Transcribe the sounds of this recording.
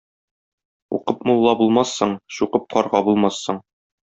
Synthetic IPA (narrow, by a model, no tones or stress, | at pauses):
ṵqɤpmulˠːɑbulˠmɑsːɤɴɕuqɤp̚qɒɾʁɑbulˠmɑsːɤɴ